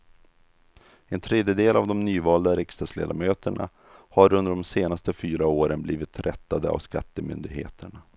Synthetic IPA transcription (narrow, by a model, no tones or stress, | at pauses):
ɛnt̪ʰɾeːd̪jəd̪eːlavd̪ɔmnyːvɑːld̪aɾɪkst̪ɑd̪slḛːd̪amøːt̪əɳa̰ | haɾɵnd̪əɖɔmseːnast̪əfyːɾaoːɾənbliːvɪt̪ɾʔɛt̪ːad̪əa̰vskat̪ːəmʏnd̪ɪɡhḛːt̪ʰəɳa